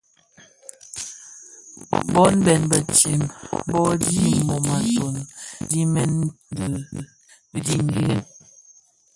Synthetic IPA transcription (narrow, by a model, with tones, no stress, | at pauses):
bɔ˦nbɛ˨nbə˨t͡ʃi˨mbɔ˦di˦˨mo˨ma˨so˨ndi˦mɛ˦n˦də˨˦ | di˦ŋ˦ɡi˦ɣə˦n